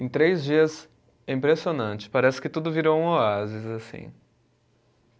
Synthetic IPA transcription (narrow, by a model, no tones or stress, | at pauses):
ẽj̃t̪ɾejzd͡ʒiɐz | ɛ̃ĩmpɾesionɐ̃nt͡ʃɪ̥paɾɛsɪ̥kɪt̪ud̪ʊviɾowũoazɪzasḭ̃